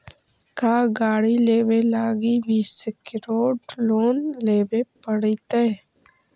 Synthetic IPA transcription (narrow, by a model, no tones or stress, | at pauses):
kaːɡaːɽileːʋelaːɡibʱiːskɪɾoːɖloːnleːbepəɽit̪e